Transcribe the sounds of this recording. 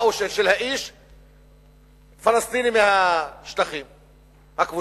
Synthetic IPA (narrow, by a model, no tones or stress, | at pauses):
wʃʃɪlhæʔiːʃ | fɑlɑst̪ˤiːnimɪnhæʃt̪axiːm | hakbu